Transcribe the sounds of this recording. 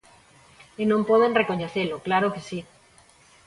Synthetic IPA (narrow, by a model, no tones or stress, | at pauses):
inõmpoðenreko̞ɲeθeloklaɾokesi